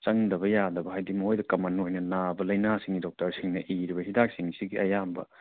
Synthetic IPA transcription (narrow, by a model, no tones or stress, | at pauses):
t͡ʃɐŋdɐβɐjadɐbɐɦajdimojdɐkɐmanojnɐnabɐlɐjnasiŋɡidɔk̚tɐɾsiŋnɐʔiɾibɐɦidak̚siŋsiɡiɐ̰jambɐ̰